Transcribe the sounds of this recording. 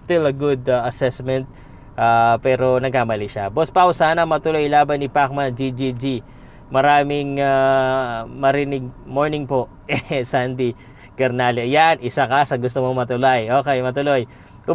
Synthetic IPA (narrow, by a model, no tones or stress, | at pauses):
st̪ɪlɐɡud̪aʔɐsɛsmɛnt̪̚ | ʔapɛːɾo̞nɐɡ̚kaːmɐliʃabospɐkʊsaːnɐmɐt̪ʊlo̞jlaːbɐnɪpak̚mɐd͡ʒid͡ʒid͡ʒi | mɐɾaːmɪŋa | mɐɾɪnɪɡ̚moɹnɪŋpo̞ʔʔɛsand̪i | ɡɛɾnalɛjanʔɪsakɐsɐɡʊst̪omomɐt̪ʊlajʔo̞ːkɛjmɐt̪ʊloj | ʔʊ